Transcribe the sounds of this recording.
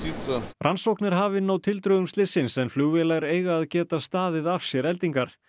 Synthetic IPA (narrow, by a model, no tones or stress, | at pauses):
isarʔansowknɪɾ̥ɦaːvɪnaːwt̪ʰɪlt̪ɾœɣʏmst̪ɪsɪnsɛnfluɣvɛlaɾeːjɣaːðcɛːt̪ast̪aːðɪðafsjɛɾɛlt̪iŋkaɾ̥